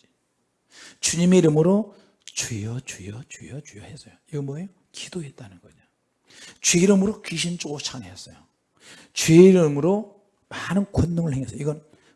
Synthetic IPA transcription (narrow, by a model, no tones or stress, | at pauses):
t͡ɕuɲimeiɾɯmɯɾo | t͡ɕejʌt͡ɕejʌt͡ɕejʌt͡ɕjʌhes͈ʌjoiɡʌnmwʌeo | kid̥oet̚t͈anɯnɡʌɲa | t͡ɕweiɾɯmɯɾokiɕ̬ʰint͡ɕ͈oɡot͡ɕʰanɦes͈ʌjo | t͡ɕweiɾɯmɯɾo | manɯnkʌndoŋɯɭhʰeŋes͈ʌiɡʌn